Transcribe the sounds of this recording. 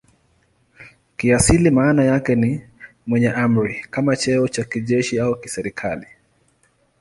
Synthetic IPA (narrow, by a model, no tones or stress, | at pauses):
kiasilimaːnajakɛni | mwɛɲɛʔam̩ɾikamat͡ʃɛɔt͡ʃakiʄɛʃiaukisɛɾikʰali